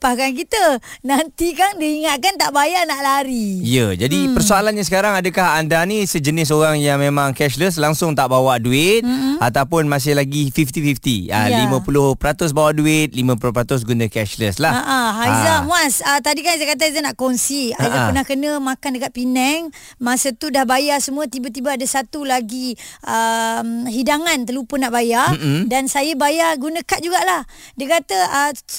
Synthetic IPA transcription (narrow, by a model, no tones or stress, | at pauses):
pakank̬it̪ənant̪ikaŋdiiŋat̪̚kant̪aʔbajanaʔlaɾiijəd͡ʒadipərsoalanɲas̬əkaɾaŋadəkahandanĩsəd͡ʒənɪs̬oɾaŋjaŋmemãŋkɛʃləs̬laŋsʊŋt̪aʔbawaʔduɪt̪̚at̪awpʊnmas̬ɪhlaɡifift̪ifift̪ḭa̰limə̃pulʊhpəɾat̪ʊs̬bawaʔduɪt̪̚limə̃pulʊpəɾat̪ʊs̬ɡunəkɛʃləslaaʔaɦaizamuasət̪adikanazakat̪̬aazanaʔkɔnsiaizapənahkənə̃mãkandəkat̪̚pinɛŋ | mãsət̪udahbajasəmũət̪ibat̪̬ibaːdasat̪ulaɡiʔəmɦidaŋant̪əlupənaʔbajadansajəbajarɡunə̃kat̪̚d͡ʒuɡaʔlah | diəkat̪əə